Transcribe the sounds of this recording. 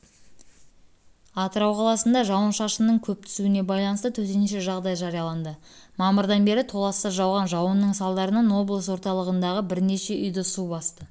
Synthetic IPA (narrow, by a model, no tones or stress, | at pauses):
ɑt̪əɾɑwqʰɑlˠɑsənd̪ɑʒɑwənʃɑʃənnəɴkʲʰɵp̚t̪ʰʏ̥suɪne̞bɑjlˠɑnəst̪ət̪ʰɵt̪̬enʃ̬e̞ʒɑʁd̪ɑjʒɑɾijɑlˠɑnd̪əmɑməɾd̪ɑnbe̞ɾɪt̪ʰo̞lˠɑsːəʒɑwʁɑnʒɑwənːəɴsɑlˠd̪ɑɾənɑno̞blˠəswo̞ɾt̪ɑlˠəʁənd̪ɑʁəbɪɾne̞ʃe̞ʔʏjd̪ɪsubɑst̪ə